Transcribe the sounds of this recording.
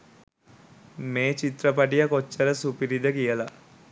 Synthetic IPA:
meːt͡ʃit̪rəpaʈijakot͡ʃːəɾəsupiɾid̪əkijəla

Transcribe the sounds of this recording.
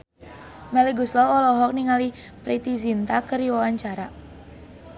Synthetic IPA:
mɛleɡuslɔwɔlɔɦɔk̚niŋali | pɾit̪izint̪akəɾiwawaɲt͡ʃaɾa

